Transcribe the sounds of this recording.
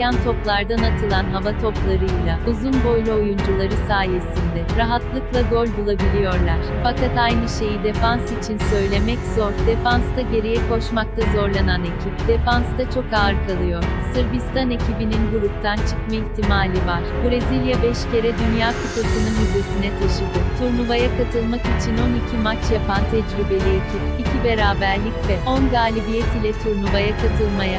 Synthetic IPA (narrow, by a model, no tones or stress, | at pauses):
jant̪ʰo̞plˠaɾd̪anat̪ʰɯlˠanɦavat̪ʰo̞plˠaɾɯjlʲˠauzunbo̞jlʲˠuojund͡ʒulˠaɾɯsaːje̞sind̪ɛɾaɦat̪lˠɯklˠaɡo̞lʲbulˠabilʲijo̞ɾlˠaɾ̥fakat̪ajnɯʃe̞jid̪e̞fansit͡ʃʰinsø̞jlʲe̞mɛcz̥o̞ɾd̪e̞fanst̪aɟe̞ɾijɛkʰo̞ʃmak̚t̪ʰazo̞ɾlˠanane̞cʰip̚d̪̥e̞fanst̪at͡ʃʰo̞kaːɾkʰalˠɯjo̞ɾ̥sɯɾbist̪ane̞cʰibininɡuɾup̚t̪ʰant͡ʃʰɯ̥kmeiçt̪ʰimaːlʲivaɾ̥bɾezilʲjabɛʃce̞ɾɛd̪ynjaːkʰɯt̪osɯnɯnize̞sinɛt̪ʰeʃɯk̪ɪt̪ʰuɾnuvajakʰat̪ʰɯlˠmakit͡ʃʰino̞nicʰimat͡ʃjapant̪ʰɛd͡ʒɾibe̞lʲiecʰipicʰibe̞ɾaːbæɾlʲicvɛo̞nɡaːlʲibijɛt̪ilʲɛt̪ʰuɾnuvajakʰat̪ʰɯlˠmaja